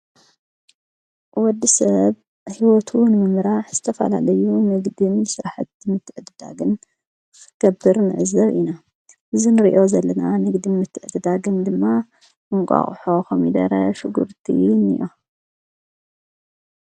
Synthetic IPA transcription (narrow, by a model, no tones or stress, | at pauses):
wɔd̪ːisɐβ | hiwɔt̪ʰunɨmɨmɾaħzɨt̪ʰɐfɐ̰la̰lɐjunɨɡd̪insɨɾaħat̪ɨmɨt̪ʰːɨʕɨd̪ɨd̪a̰ɡɨn | ɡ̥ɐbːɨɾnɨʕɨzɐβina | ʔɨzinɨɾiʔo̞zɐlːɐnanɨɡd̪imɨt̪ʰːɨʕɨd̪ɨd̪aɡɨnd̪ɨmːa | ɨŋkʼa̰χʼħokɐmid̪ɐ̰ɾɐ̰ʃʊɡṵɾt̪ʰḭnɨ̰jo̰